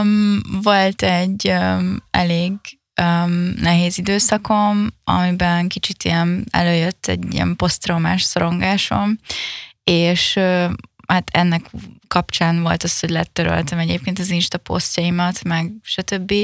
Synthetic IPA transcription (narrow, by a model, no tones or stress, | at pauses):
mvo̞lt̪ɛɟøɛleːɡ | ømnɛɦeːzid̪øːsɒkʰo̞mɒ̰mibɛnkit͡ʃit̪ijɛnɛ̰løːjøt̪ʰːɛ̰ɟːḭjɛ̰mpo̞st̪roma̰ːʃsoɾo̞ŋɡaːʃo̞̰m | eːʃøhat̪ʰɛ̰nːɛkkɒpt͡ʃaːnvo̞̰lt̪ɒsho̞ɟʲlɛt̪øɾø̰lt̪ɛmɛɟeːp̚keːnt̪ɒzinʃt̪ɒpo̞̰stɒimɒt̪mɛɡʃɒt̪ø̞bːi